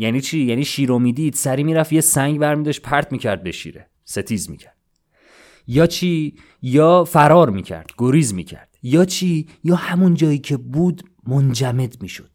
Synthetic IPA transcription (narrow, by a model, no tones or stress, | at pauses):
jæniːt͡ʃʰiːjæniːʃiːɾomiːd̪id̪̥sæɾiːmiːɾæfjesæŋɡbæɾmiːd̪ɒʃt̪̚pʰæɾt̪ʰmiːcʰæɾd̪̚bḛʃḭɾḛ | se̞t̪ʰiːzmḭːcʰæɾd̪ | jɒːt͡ʃʰiː | jɒːfæɾɒːɾmḭːcʰæ̰ɾd̪̥ɡ̥oɾiːzmḭːcʰæ̰ɾd̪̥jɒːt͡ʃʰiː | jɒːhæmund͡ʒɒːjiːcʰe̞buːd̪ | mond͡ʒæme̞d̪miːʃo̞̰d̪̥